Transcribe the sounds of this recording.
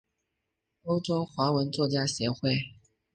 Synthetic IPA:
o˥ʊʈ͡ʂo˥ʊxwa˧˥wə˧˦˥nt͡swɔ˥˩t͡ɕja˥ɕjɛ˧˥xwe˥˩ɪ

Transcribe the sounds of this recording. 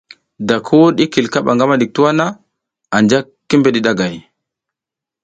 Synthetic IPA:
da˨kʰu˦ɗi˦ki˨lka˦ɓa̰˨ŋɡa˦ma˦ɗi˨k̚tu˦wa˦na˦ | a˨nd͡ʒa˦kːi˦mbe˨ɗi˨ɗa˦ɡa˨j

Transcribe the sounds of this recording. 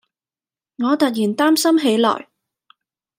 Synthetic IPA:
ŋɔː˨˧t̪ɐ˨t̚jiː˨˩nt̪aː˥msɐ˥mɦe˨˥jlɔ̰ː˨˩j

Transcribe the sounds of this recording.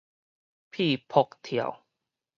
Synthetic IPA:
pʰi˥˧˨pʰo˧k̚t̪ʰja̰˨˩w

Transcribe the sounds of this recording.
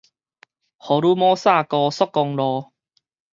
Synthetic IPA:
hɔ˨˦lu˦mɔ˦sa˥˧˨kɔ˧sɔ˦kːɔ˧ŋlɔ˧

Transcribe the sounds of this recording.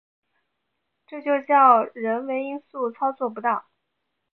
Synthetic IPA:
ʈ͡ʂɤ˥˧t͡ɕjo˥˧ʊt͡ɕjɑ˥˩ʊɻə˧˥nwe˧˥ɪi˥nsu˥˩t͡sʰɑ˥ʊt͡swɔ˥˩p̬u˧˥t̪ɑ˥˩ʊ

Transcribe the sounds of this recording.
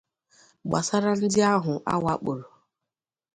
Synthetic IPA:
ɡ͡ba̰˨sa˦ɾa˦n̩˦dɪ˦a˦ɦʊ˨ʔa̰˦wa˦k͡po˨ɾo˨

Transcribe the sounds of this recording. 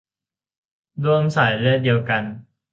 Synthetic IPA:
lu˥˩əmsa˨˩˦jlɯ˥˩t̚di˧əwka˧n

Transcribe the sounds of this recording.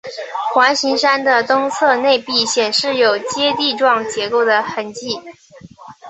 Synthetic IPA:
xwa˧˥nɕi˧˥ŋʂa˥nd̪ə˨t̪ʊ˥ŋt͡sʰɤ˥˧ne˥˧ɪpi˥˩ɕjɛ˨˩nʂɻ̩˥˩jo˨˩ʊt͡ɕjɛ˥t̪i˥˧ʈ͡ʂwɑ˥˩ŋt͡ɕjɛ˧˥ko˥˩ʊd̪ə˩xə˧˥nt͡ɕi˥˩

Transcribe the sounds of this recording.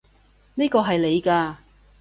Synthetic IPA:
niː˥kɔː˧ɦɐ˨jle˨˧jkaː˧

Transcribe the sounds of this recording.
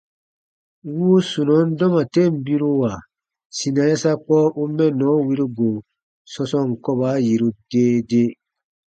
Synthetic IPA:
wuː˦su˨nɔ̃˨˦n˦dɔ˦ma˨te˦m̩˨bi˦ɾu˦wa˨ | si˨nã˨ja˦sa˦k͡pɔ˦ʔu˦mɛ̃˦nɔ̃˨˦wi˦ɾi˦ɡo˨ | sɔ˦sɔ̃˦ŋ˨kɔ˦ba˨˦ji˨ɾu˨deː˦de˦

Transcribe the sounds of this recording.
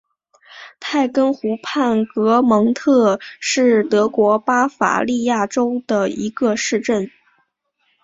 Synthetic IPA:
t̪ʰa˥˩ɪkə˥nxu˧˥pʰa˥˩nkɤ˧˥mɤ˧˥ŋt̪ʰɤ˥˧ʂɻ̩˥˩t̪ɤ˧˥kwɔ˧˥pa˥fa̰˨˩li˥˧ja˥˩ʈ͡ʂo˥ʊd̪ə˨˩ḭ˧˥ɡə˧ʂɻ̩˥˧ʈ͡ʂə˥˩n

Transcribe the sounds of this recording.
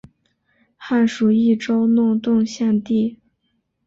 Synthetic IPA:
xa˥˩nʂu˨˩i˥˩ʈ͡ʂo˥ʊnʊ˥˧ŋt̪ʊ˥˧ŋɕjɛ˥˧nt̪i˥˩

